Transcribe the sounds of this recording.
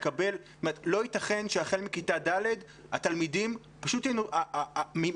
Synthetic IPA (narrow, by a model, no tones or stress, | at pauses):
kabe̞ltomeetlo̞itaχe̞nʃeaχelmikitadale̞d | atalmidim | paʃutjejnoami